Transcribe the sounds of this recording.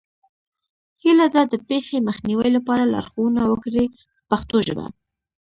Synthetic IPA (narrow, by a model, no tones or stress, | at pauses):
hilad̪ad̪əpexeməxniwəjlapɑɾalɑ̰ɾxowunawəkɾi | paxt̪oʒə̰ba̰